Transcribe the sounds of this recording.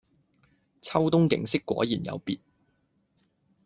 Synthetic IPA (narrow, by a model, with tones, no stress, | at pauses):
t͡sʰɐ˥wt̪ʊ˥ŋkɪ̰˨˧˥ŋsɪ˥kːʷɔ̰ː˨˥jiː˨˩njɐ̰˨˧wpiː˨t̚